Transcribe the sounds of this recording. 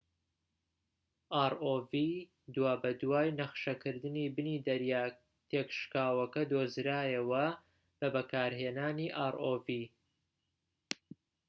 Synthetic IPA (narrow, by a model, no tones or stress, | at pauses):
ʔaːɾʔoːviː | d̪waːbɐd̪waːjnɐχʃɐkʰɨɾd̪ɨniːbɨniːd̪ɐɾjaː | t̪ʰekʃkaːwɐkɐd̪oːzɾaːjɐwɐ | b̥ɐbɐkʰaːɾɦeːnaːniːʔaːɾʔoːviː